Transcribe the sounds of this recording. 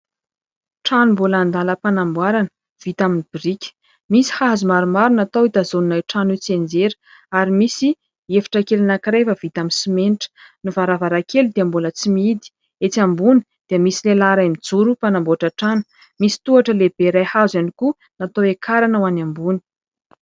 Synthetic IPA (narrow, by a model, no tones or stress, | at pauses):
ʈ͡ʂanumbulaand̪aləpanambwaɾanə̥ | v̥it̪aminib̥irikʲə̥ | misi̥hazumaɾumaɾunat̪owit̪azoninajʈ͡ʂanut͡send͡zeɾə̥ | aɾimisi | efi̥ʈ͡ʂakelanakɾevəv̥it̪aminsimenʈ͡ʂə̥nuvaɾavaɾakʰelud̪eambulət͡simiid̪i̥ | et͡sambuni̥ | d̪̥iəmisilelaɾamid͡zuɾupanamboaʈ͡ʂəʈ͡ʂanu̥ | misi̥t̪uaʈ͡ʂəleb̥eɾajhazjaniku | nat̪owekʰaɾanəwanambuni̥